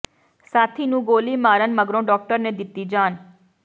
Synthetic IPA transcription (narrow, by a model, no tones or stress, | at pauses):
saːt̪ʰinũːɡoːlimaːɾənməɡɾõɖɔːk̚ʈəɾned̪ɪt̪id͡ʒaːn